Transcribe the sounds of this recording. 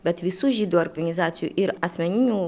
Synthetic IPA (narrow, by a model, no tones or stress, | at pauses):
bʲɛt̪ʋʲisuːʒʲiːd̪uːɔɾɡɐnʲɪzɑːt̪sʲɪjṵʔɪɾɐsʲmʲɛnʲɪnʲuː